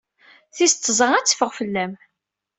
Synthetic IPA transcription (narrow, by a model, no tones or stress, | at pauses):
θist̪ːzˤəŋæt͡sːə̥fəʁfəlːæm